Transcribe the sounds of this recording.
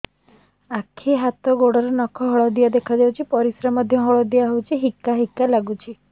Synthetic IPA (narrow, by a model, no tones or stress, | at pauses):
akʰiɦat̪ɔɡoɽɔɾɔnɔkʰɔɦɔɭɔd̪ijad̪ekʰad͡ʒawt͡ʃʰipɔɾisɾamad̪ʱjɔɦɔɭɔd̪iaɦewt͡ʃʰiɦikːaɦikːalaɡut͡ʃʰi